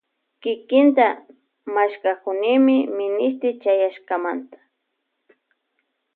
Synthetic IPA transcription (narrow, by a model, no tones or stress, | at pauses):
kɪkɪnt̪a | maʃkakʊnɪmɪmɪnɪst̪ɪt͡ʃajaʃkamant̪ḁ